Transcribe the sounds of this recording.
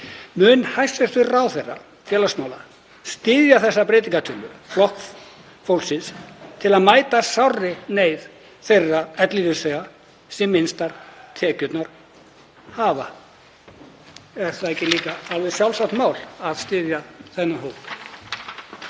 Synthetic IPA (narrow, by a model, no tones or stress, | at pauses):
mʏnhajsɛst̪ʏrawθejra̰ | fjɛːlasmaːwla | st̪ɪːðjaθɛsːapɾɪːt̪̬iŋkat̪ʰʏlʏflɔhkf | fowlsɪnst̪ʰɪlaðmaːjt̪asawrɪneːjð | θejrːaɛt̪liðɪseːɣa | sɛmːɪnst̪aɾ̥t̪ʰɛːcʏt̪naɾ̥ | haːva | ɛɾ̥θaðɛhcːɪliːkaalvɪðsjawlsawtnmaːwlaðst̪ɪːðjaθɛnːaɦowp̪